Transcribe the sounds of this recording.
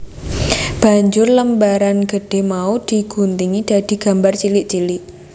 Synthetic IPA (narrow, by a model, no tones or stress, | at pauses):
b̥a̤ɲd͡ʒʊrləmbaɾanɡəɖ̥e̤hmaud̪̥i̤ɡ̥unt̪iŋid̥a̤d̪̥i̤ɡ̥a̤mbart͡ʃilɪʔt͡ʃilɪʔ